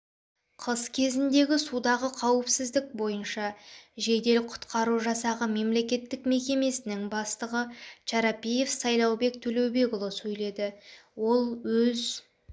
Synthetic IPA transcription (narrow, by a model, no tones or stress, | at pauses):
qʰəzkʲʰe̞zɪnd̪e̞ɡʲɪsud̪ɑʁəqʰɑwɪpsɪzd̪ɪk̚bo̞jənʃɑʒe̞d̪e̞lqʰʊ̥t̪qɑɾuʒɑsɑʁəme̞mle̞kʲe̞t̪ːɪkme̞kʲe̞me̞sɪnɪŋbɑst̪əʁət͡ʃʰɑɾɑpije̞fsɑjlˠɑwbe̞k̚t̪ʰɵle̞wbe̞ɡʊlˠəsɵjle̞d̪ɪwo̞lˠwɵz